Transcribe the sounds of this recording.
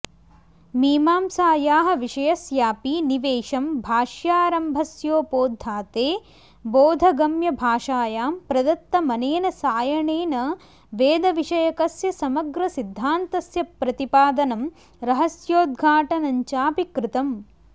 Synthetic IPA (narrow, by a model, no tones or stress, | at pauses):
miːmaːmsaːjaːɦɐ̆ʋiʂɐjɐsjaːpiniʋeːʂɐmbʱaːʂjaːɾɐmbʱɐsjoːpoːd̪ʱːaːt̪eː | boːd̪ʱɐɡɐmjɐbʱaːʂaːjaːmpɾɐd̪ɐt̪ːɐmɐneːnɐsaːjɐɳeːnɐ | ʋeːd̪ɐʋiʂɐjɐkɐsjɐsɐmɐɡɾɐsid̪ʱːaːnt̪ɐsjɐpɾɐt̪ipaːd̪ɐnɐm | ɾɐɦɐsjoːd̪̚ɡʱaːʈɐnɐɲt͡ʃaːpikɾɪt̪ɐm